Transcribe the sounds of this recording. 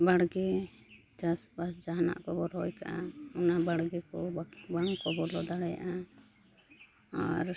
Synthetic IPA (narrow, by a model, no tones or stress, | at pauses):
baɽɡɛ | d͡ʒasbasd͡ʒaɦana̰ʔkɔbɔɾɦɔjkaʔaɔnabaɽɡɛkɔbaŋkɔbɔɾlɔd̪aɽɛja̰ʔa | aɾ